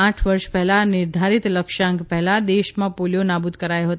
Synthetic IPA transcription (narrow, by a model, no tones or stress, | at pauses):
ãʈʰʋəɾʃpɛɦɛlanɪɾd̪ʱaɾit̪ləkʃãŋkpɛɦlad̪eʃmãpoljonabud̪kəɾajoɦət̪